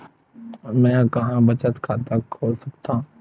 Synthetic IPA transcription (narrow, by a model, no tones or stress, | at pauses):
mɛ̃ːkɐɦãbɐt͡ʃət̪kʰaːt̪əkɦosɐkt̪ã